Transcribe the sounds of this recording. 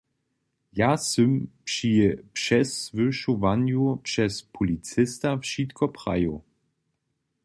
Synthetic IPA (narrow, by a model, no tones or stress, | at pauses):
jasɵmpʂipʂɛsvɪʃuvanjupʂɛspʰulit͡sɪstafʃitkʰɔpʁa̰jo